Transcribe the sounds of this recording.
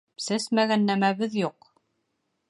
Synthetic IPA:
sɘsmæɣænːæmæβɘðjuq

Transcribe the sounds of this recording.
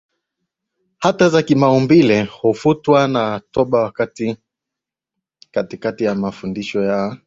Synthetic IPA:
hatazakimaɔmbilɛhufutwanatɔɓawakati | katikatijamafundiʃɔja

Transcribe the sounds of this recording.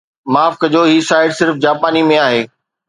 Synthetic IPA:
maːfkəd͡ʑoːɦisaːɪɖsɪɾfd͡ʑaːpaːnimẽaːɦeː

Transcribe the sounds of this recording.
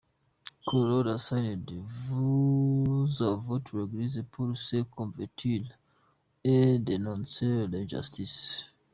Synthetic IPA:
kʰoɹodasãjndvu | zavotʰɹɛɡlizepʰulsekʰɔ̃ɱvɛtʰil | ɛdenɔ̃nsɛlɛ̃nd͡ʒa̰stʰis

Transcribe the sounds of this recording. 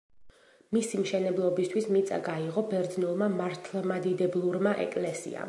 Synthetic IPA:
misimʃɛnɛblˠɔbist̪ʰwismit̪sʼa̰ɡaiʁɔbɛɾd̪znulˠmamaɾt̪ʰlˠmad̪id̪ɛblˠuɾmaʔɛ̰kʼlɛsḭa̰

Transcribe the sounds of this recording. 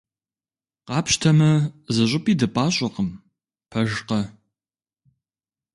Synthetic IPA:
qɑːpʃtʰɐmɐzɐɕ̬ʷʼɪpʼiːdɐpʼaːɕʼɪqəm | pʰɐʒqɐ

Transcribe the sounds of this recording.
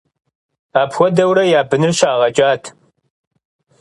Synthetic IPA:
aːpxʷɔdɐwɾɐjaːbɨnɨrʃaːʁɐt͡ʃʼaːtʰ

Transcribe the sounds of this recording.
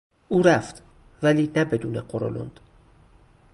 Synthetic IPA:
ʔuːɾæft̪ | væliːnæbe̞d̪uːneqoɾo̰lo̰nd̪̥

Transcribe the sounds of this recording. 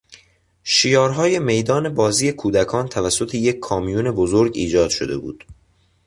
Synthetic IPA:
ʃijɒːɾɦɒːje̞me̞jd̪ɒːne̞bɒːziːje̞kʰuːd̪ækʰɒːnt̪ʰævæsːo̞t̪ʰe̞je̞kʰːɒːmijuːne̞bozoɾɡiːd͡ʒɒːd̪̥ʃo̰d̪e̞̰bṵːd̪̥

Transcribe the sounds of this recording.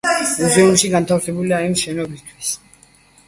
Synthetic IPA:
muzɛunʃiɡant̪ʰafsɛbuliaimʃɛnɔbist̪ʰwis

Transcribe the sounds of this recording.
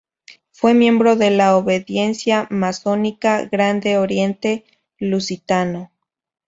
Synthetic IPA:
fwe̞mje̞mbɾoðe̞laoβeðje̞nsjamaso̞nikaɣɾand̪eoɾje̞nt̪e | lusit̪ano

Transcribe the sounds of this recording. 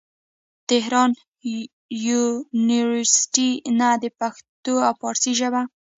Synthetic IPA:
t̪ɪɦɾɑn | juniwəɾsɪ̥ʈinad̪əpaxt̪oawpɑɾsiʒəba

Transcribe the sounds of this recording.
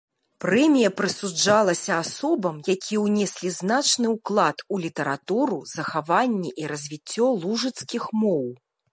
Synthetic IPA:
pɾɛmʲijɐpɾɨsud͡ʐalˠɐsʲɐasɔbɐmjakʲʰiɛwnʲɛsʲlʲizn̪at͡ʂnɨwklˠat̪ulʲit̪ɐɾat̪uɾuzɐxavanʲːɛʔiɾɐzʲvʲit͡sʲːɔlˠuʐɨt̪skʲixmɔw

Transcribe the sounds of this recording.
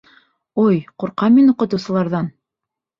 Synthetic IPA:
ojquɾqɑminuqɤ̆t̪ŭwsɤ̆lˠɑɾðɑn

